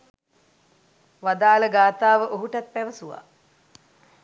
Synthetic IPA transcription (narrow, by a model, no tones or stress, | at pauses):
ʋad̪aːləɡaːt̪aːʋəʔoɦuʈat̪̚pæʋəsuʋa̰